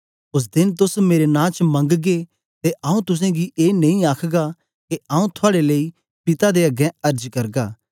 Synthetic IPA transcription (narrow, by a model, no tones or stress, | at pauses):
ʊs̬d̪ɪnt̪ʊsmeːɾenãːt͡ʃmɐ̃ŋɡɡe | t̪eʔaːũt̪ʊs̬ɛ̃ɡiʔeːnɐĩaːkʰɡa | keaːũt̪ʰʊaːɽeleːi | pɪt̪ad̪eɐɡɛ̃ɐɾd͡ʒkɐɾɡaː